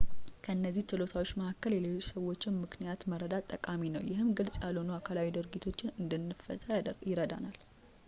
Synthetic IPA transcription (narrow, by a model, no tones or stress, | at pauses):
kʰəɨnːəzːiht͡ʃɨlo̞t̪ʰawot͡ʃːməhakːəljɛle̞lo̞t͡ʃːsəwo̞t͡ʃːɪnmɨkʰnijat̪məɾəd̪at̪ʼːəkʼaminəwjɪɦɨmɡɨlsʼjalonuakʰalawid̪ɨɾɡit̪ʰo̞t͡ʃːɪnɨnd̪ɨnːɨfəjɪɾəd̪a̰nal